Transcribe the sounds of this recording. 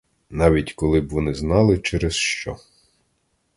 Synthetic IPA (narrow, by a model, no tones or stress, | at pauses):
nɑʋʲitʲkɔlˠɪbʋɔnɪznɑlˠɪt͡ʃɛɾɛsʃt͡ʃɔ